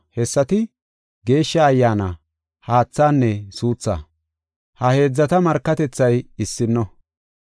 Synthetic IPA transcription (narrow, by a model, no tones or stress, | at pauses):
hɛsːɐt̪ɪ | ɡe̞ːʃːɐːjːaːna | haːt͡sːaːnːɛsuːt͡sːa̰ː | hɐhe̞ːd͡zːɐt̪ɐmɐɾkːɐt̪ɛt͡sːɐjɪsːɪnːɔ